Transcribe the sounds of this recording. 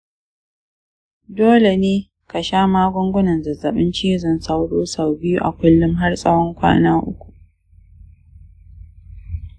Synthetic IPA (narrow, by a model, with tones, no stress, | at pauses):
doː˦le˨neː˦ | ka˨ʃaː˦maː˦ɡʷʊ˦ŋɡʷʊ˦nɐ˨nzɐ˨zːɐ˨ɓɪ˦nt͡ʃeː˦zɐ˦˨nsa˦wɽoː˦sa˨wbɪ˦ju˦ʔa˨kʷʊ˦lːʊ˦mɦa˦rsʼɐ˦wɔ˦ŋkʷa̰ː˦naː˦ʔʊ˦kʷu̥˨ʔ